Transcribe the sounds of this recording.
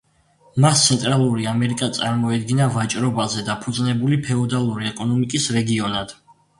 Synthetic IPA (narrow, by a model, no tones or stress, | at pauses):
mast̪sʰɛnt̪ʼɾalˠuɾiamɛɾikʼat̪sʼaɾmɔɛd̪̚ɡinavat͡ʃʼɾɔbazɛd̪apʰud̪znɛbulipʰɛɔd̪alˠuɾiɛkʼɔnɔmikʼisɾɛɡiɔnad̪̥